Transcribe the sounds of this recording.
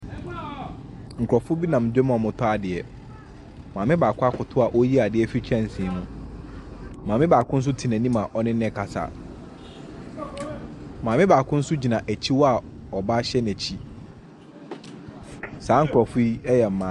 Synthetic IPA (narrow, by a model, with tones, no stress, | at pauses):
ŋ̩˨kʰʊ˨ɔ˨fʊ˦bi˦nã˨m˨dɛ˦m˦˨ɔ˨mʊ̃˨tʰɔ˦a˨dɪ˨ɛ˨ | mãː˨mɪ̃˦baː˨kʰʊ˦a˦kʰʊ˨tʰʊ˦a˨ʔo˦ji˦a˨dɪ˨ɛ˦fi˦t͡ɕʰᶣɛ̃˦˨n̩˨sĩ˨nʊ̃˦˨ | mã˨mɪ̃˦baː˨kʰʊ̃˦n̩˦s̬ʊ˦tʰi˨næ̃˨nĩ˦mã˨ʔɔ˦nɪ̃˦nɛ̃˦˨kʰa˨sa̰˨ | mãː˨mɪ̃˦baː˨kʰʊ̃˦n̩˦sʊ˦d͡ʑi˨nã˨ʔæ˨t͡ɕʰi˦wɔ˦a˨ɔ˨ba˦ɕɛ˦næ̃˨t͡ɕʰi˦ | saː˨˦ŋ̩˨kʰʊ˨ɾɔ˨fʊ˦i˦ɛ˦jɛ˨m̩˨mãː˨˦